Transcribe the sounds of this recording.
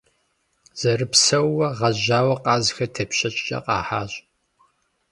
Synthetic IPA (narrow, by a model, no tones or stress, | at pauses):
z̥ɐrɨpsɐwːɐʁɐʑaːwɐqʼɑːzxɐtʰɐpɕɐt͡ʃʼt͡ʃʼɐ̰qʼɑ̰ːħa̰ːɕʼ